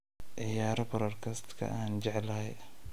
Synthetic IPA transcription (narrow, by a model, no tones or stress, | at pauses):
ʕɪjaːɾɔbɐɾɐrkʰɐst̪kʰɐ̰ʔaːnt͡ʃɛʕlɐhɛj